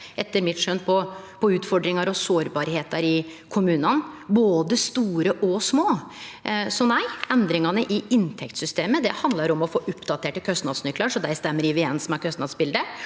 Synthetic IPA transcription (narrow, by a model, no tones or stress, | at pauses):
ɛt̪ːəɾmɪt̪ʂœnpʰɔpʰɔʉːt̪fɔɖɾɪŋɑɾɔsoːɾbɑːɾheːt̪ɑɾɪ | kʰʊmʉːnɑnboːd̪əst̪uːɾəʔɔsmoː | sɔnæɪɛnd̪ɾɪŋɑnəʔɪɪnt̪ʰɛkt̪sʏst̪eːməd̪ɛ̰hɑnd̪lɑɾɔmɔfoːʔʊpd̪ɑt̪ʰeːʈəkʰœst̪nɑ̰d̪snʏklɑʂɔd̪æɪst̪ɛmːəɾɪʋɪɛnsmæɾkʰœst̪nɑd̪sbɪld̪ə